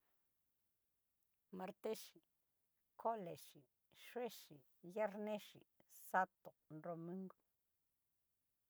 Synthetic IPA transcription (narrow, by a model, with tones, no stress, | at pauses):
ma˧ɾt̪e˦ʃi˨ | kʰo˦le˨ʃi˨ | ʃwe˦ʃi˨ | ja˦ɾnẽ˦ʃḭ˨sa˦t̪o˨nɾo˧mĩ˦ŋɡo˦